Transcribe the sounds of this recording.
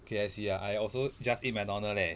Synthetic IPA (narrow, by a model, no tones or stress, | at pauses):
kʰeɛsijaʔajɔlsod͡ʒasĩt̚mãnɔ̃nəlɛ